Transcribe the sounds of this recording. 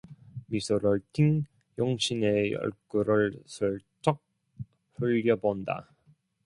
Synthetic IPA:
misʰuɾɯɭtʰiŋ | joŋɕʰinejʌ̰ɭk͈uɾɯɭsʰoɭt͡ɕ͈ʌk̚ | ɸɯʎːʌbonda̰

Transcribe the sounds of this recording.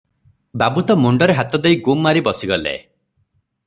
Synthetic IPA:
babut̪ɔmuɳɖɔɾeɦat̪ɔd̪ejɡumːaɾibɔsiɡɔlḛ

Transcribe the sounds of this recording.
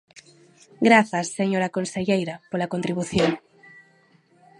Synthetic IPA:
ɡɾaθasːeɲoɾakonseʎejɾapolakont̪ɾiβuθjoŋ

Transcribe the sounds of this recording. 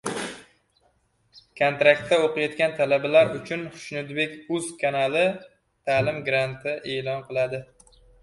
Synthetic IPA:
kʰont̪ɾakt̪ːaoqɨjɒt̪kʲant̪ʰalabalaɾʊt͡ʃʰʊnχʊ̥ʃnʊd̪be̞kʲʊzkʰanalɪ | t̪ʰaːlɪmɡɾant̪ʰɪʔe̞ːlɒnqʰɨlˠad̪ɪ

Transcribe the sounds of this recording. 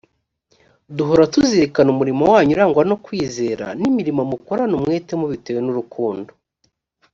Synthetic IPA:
duɦo̞ɾatuziɾekanumuɾimowaːɲuɾaːŋɡwano̞kwiːze̞ːɾa̰nimiɾimamuko̞ɾanumŋe̞ːtemuβiteːwe̞nuɾukuːndo

